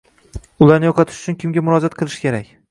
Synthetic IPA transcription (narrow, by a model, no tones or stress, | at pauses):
ʊlaɾnɪjoqʰɑt̪ʰɪ̥ʃʊt͡ʃʰʊnkʲʰɪmɡʲamʊɾɒd͡ʒat̪̚qʰɨlˠɪʃkʲʰe̞ɾakʲ